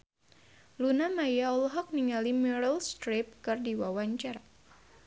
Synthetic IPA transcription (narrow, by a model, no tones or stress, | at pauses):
lunamajaɔlɦɔk̚niŋalimɛɾəlst̪ɾep̚kɨrdiwawaɲt͡ʃar